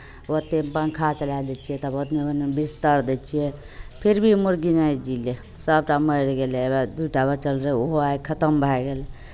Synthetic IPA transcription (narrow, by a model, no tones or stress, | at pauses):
wot̪empãnkʰat͡ʃəlad̪et͡ʃʰijet̪əbəd̪neonebist̪əɾd̪et͡ʃʰije | pʰiɾbʱimuɾɡinajd͡ʒile | səbʈaməjɾɡelebad̪uʈabət͡ʃəlɾəoɦoaekʰət̪əmbʱaɡele